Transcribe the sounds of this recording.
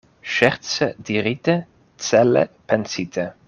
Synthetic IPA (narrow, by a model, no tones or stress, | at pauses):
ʃɛʁt͡səd̪̥iʁit̪ə | t͡sɛlə̰pʰɛnsit̪ʰə